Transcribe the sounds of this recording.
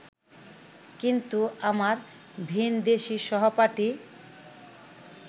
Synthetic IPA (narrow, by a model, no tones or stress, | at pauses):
kint̪uamaɾ | bʱind̪eʃiʃɔɦopaʈi